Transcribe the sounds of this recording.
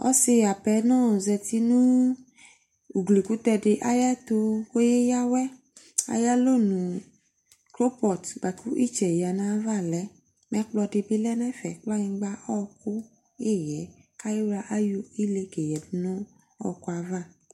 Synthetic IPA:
ɔ̰˦se˧a˨pɛ˨˦nɔ̃˦˨zɛ˧ti˧nũ˦ | u˨ɡle˨ku˨˦tɛ˧de˧ʔa˦ja˦to˧ko˦je˦ja˦wɛ˦ | a̰˧ja˦lo˦˨nũ˨ | kɾo˦pɔ˨tɡ͡ba˨ku˦ʔi˦˨t͡ʃɛ˨ja˨nã˦va˦˨lɛ˨˦ | mɛ̃˧˦k͡plɔ˧de˧bi˦lɛ˦nã˦fɛ˨k͡pla˦ɲĩ˧ɡ͡ba˦ʔɔ˦˧ku˦ | e˦˨jɛ˨˦ | ka˦ji˦ɾa˧ʔa˦jo˧i˦le˧ke˨jɛ˨bi˨˦nɔ̃˦ | ɔ̰˧ku˧a˧va˦˨

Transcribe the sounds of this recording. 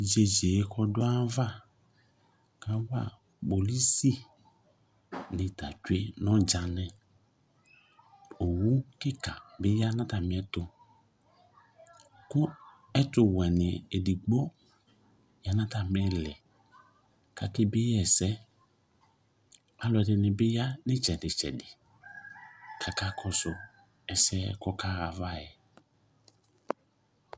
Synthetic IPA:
d͡ʒe˨d͡ʒe˨˦kɔ˦dʊ˦a˦va˦˨ | ka˦wa̰˦˨ | bo˨li˦si˦ | nɪ̃˨ta̰˨t͡ʃwe˦nɔ̃˦d͡ʒa˨nɛ̃˨ | o˨wu˦kɪ˦ka˨bɪ˦ja˦nã˦ta˨m˨ɛ˦tʊ˨ | kʊ˦ | ɛ˦tʊ˨wɛ˨nɪ˨e˨di˨ɡ͡bo˦ | ja˦nã˦ta˨m˨ɛ˦lɪ˨ | ka˨kɪ˦bɪ˦jɛ˨sɛ˦ | a˦lɔ˨ɛ˨dɪ˨nɪ˨bɪ˦ja˦nɪ˦t͡ʃɛ˨dɪ˨t͡ʃɛ̰˨dɪ˨ | kʰa˨ka˦kʰɔ˨sʊ˨ | ɛ˨sɛ˦kɔ˦ka˦ɣa˨va˦˨jɛ˨

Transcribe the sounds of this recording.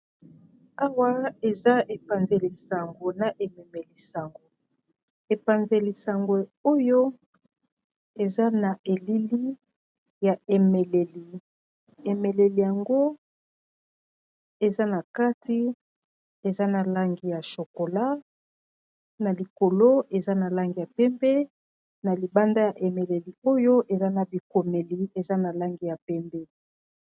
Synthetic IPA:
a˦wa˦e˨za˦e˨pa˨nze˨li˨sa˨ŋɡo˨na˨ʔe˨me˨me˨li˨sa˨ŋɡo˨ | e˨pa˨nze˨li˨sa˨ŋɡwe˨o˦jo˦ | e˨za˦na˨ʔe˨li˦li˦ | ja˨e˨me˨le˨li˨ | e˨me˨le˨li˨ja˨ŋɡo˦ | e˨za˦na˨ka˦ti˦ | e˨za˦na˨la˦ŋɡi˦ja˨ʃo˨ko˨la˦ | na˨li˨ko˨lo˦e˨za˦na˨la˦ŋɡi˨ja˨pɛ˦mbɛ˦ | na˨li˨ba˦nda˦ja˨ʔe˨me˨le˨li˨o˦jo˦ʔe˨za˦na˨bi˨ko˨me˨li˨e˨za˦na˨la˦ŋɡi˦ja˨pɛ˦mbɛ˦

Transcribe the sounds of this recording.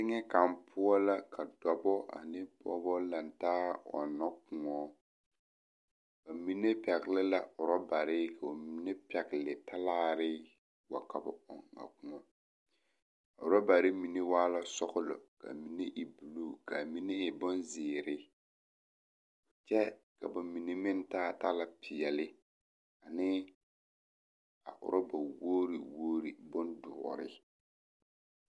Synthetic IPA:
tɪ˦ŋɛ˦ka˨mpʰʊ˦ɔ˦la˦kʰa˨dɔ˨bɔ˦a̰˨nɪ˦pɔ̰˦bɔ˦la˨n˨taː˦ɔ̰˨nɔ˦kʊ˨ŋɔ˦ | ka˨mi˦ne˦pɛ˨ɣɪ˨lɪ˦la˨ʊ˨ɾɔ˦ba˨ɾɪ˦kʰa˨o˨mi˦ne˦pɛ˨ɡɪ˨lɪ˨tʰa˦laː˦˨ɾɪ˦ | wa̰˨ka˨bɔ̰˦ɔ̰˦ŋa̰˨kʊ˨ŋɔ˦ | ʊ˨ɾɔ˦ba˨ɾɪ˦mi˨ne˦waː˦la˦sɔ˦ɣʊ˦lɔ̰˨ka̰˨mi˨ne˦ʔi˨bu˨lu˦ka˨mi˦ne˦ɪ˨bʊ˦nzɪː˨ɾɪ˦ | t͡ʃɛ˦ka˨ba˨mi˨ne˦mɪ˦n˦taː˦˨ta˦la˦pʰɪ˨ɛ˨lɪ˦ | a˨nɪ˦ | a˨ʔʊ̰˨ɾʔɔ˦ba˨woː˦ɾi˨woː˦ɾi˨bʊ˦ndʊ˨ɔ̰˨ɾɪ̰˦

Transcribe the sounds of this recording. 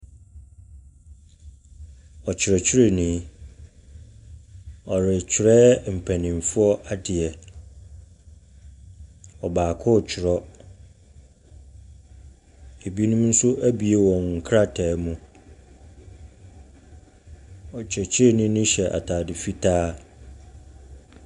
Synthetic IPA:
ɔ˨t͡ɕʰɪ˨ɾɔ˨t͡ɕʰɪ˦ɾe˨nĩ˦ | ɔ˨ɾɪ˨t͡ɕʰɪ˨ɾɛː˦m̩˨pʰæ˨nĩ˨m˨fʊ˦ɔ˦ʔa˦dɪ˨ɛ˨ | ɔ˨baː˨kʰʊ˦˨t͡ɕᶣʰɪ˨ɾɔ˦ | e˨bi˦nũ˦m˦n̩˦sʊ˦ʔæ˦bi˨e˦wɔ̃˨nŋ̩˨kʰɾa˦tʰɛː˨mũ˦ | ɔ˨t͡ɕʰᶣɛ˨t͡ɕʰɪ˦ɾe˦nʊ̃˦nʊ̃˦ɕɛ˨ʔa̰˨tʰaː˨dɪ˨fi˦tʰaː˦

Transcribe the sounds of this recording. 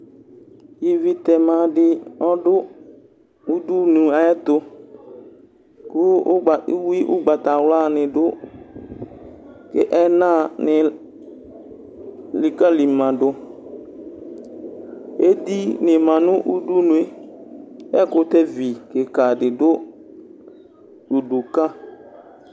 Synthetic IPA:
ji˨vi˨t̪ɛ˨mã˨dɪ˨ɔ˦dʊ˦ | u˦du˦nũ˨a˨ɛ˦t̪ʊ˦ | kʊ˦˨˦ | wi˦ʔʊ˦ɡ͡ba˨t̪a˨wla˦nɪ̃˨dʊ˦ | kɪ̰˦ʔɛ˦nã˦˨nɪ˨ | li˨ka˦li˨mã˨dʊ˦ | e˦di˦nɪ˨mã˨nʊ̃˦ʔu˦du˦nũ˨e˦ | ɛ˦kʊ˦t̪ɛ˦vi˨ke˨ka˨dɪ˨dʊ˦ | du˨du˨ka˦

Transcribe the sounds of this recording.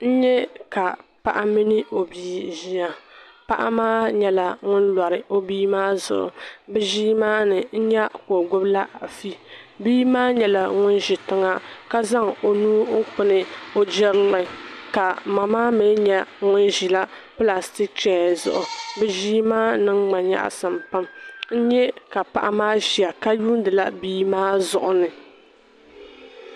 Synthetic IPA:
n̩˦ɲɛ˦ka˨pa̰˦ʔa˦mi˦nɨ˦o˨biː˦ʒi˦a˨pa̰˦ʔa̰˦maː˦ɲɛ˦la˨ŋʊ˦n˦la˨ɾɨ˨o˦biː˦maː˦zʊ̰˨ʔʊ̰˨bɛ˦ʒiː˦maː˦nɨ˨n̩˦ɲɛ˦ko˨ɡʊ˦bla˦ʔfi˦biː˦maː˦ɲɛ˨la˨ŋʊ˦nʒi˨tɪ˦ŋa˦ka˦za˦ŋo˨nuː˦ŋ̩˦k͡pɨ˦nɨ˨o˨d͡ʒɛ˦ɾlɨ˨ka˨ma˨maː˦me˨˦ɲɛ˦ŋʊ˦nʒi˨la˦ | pɨ˦la˨sti˦k̚t͡ʃɛ˨zʊ̰˨ʔʊ˨bɨ˦ʒiː˦maː˦nɨ˦ŋŋ͡ma˨ɲa̰˦ʔa̰˨sɨ˨mpa˦mn̩˦ɲɛ˦ka˨pa̰˨ʔa˦maː˦ʒi˨a˨ka˦juː˦n˦dɨ˨la˦biː˦maː˦zʊ˨ʔʊ˨nɨ˨

